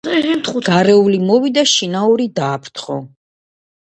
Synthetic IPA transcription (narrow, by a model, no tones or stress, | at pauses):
t̪ɡ̥aɾɛulimɔvid̪aʃinauɾid̪aːpʰt̪ʰχɔ